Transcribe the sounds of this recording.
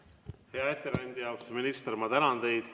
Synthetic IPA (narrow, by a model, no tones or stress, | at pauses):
he̞ɑe̞t̪ːeɾænʲd̪̥ʲijɑwst̪uminist̪rmɑt̪ænɑnd̪̥e̞jd̪̥